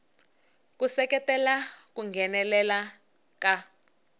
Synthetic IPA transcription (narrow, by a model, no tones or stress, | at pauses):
kusɛkɛtɛlakuŋɡʱɛnɛlɛla | ka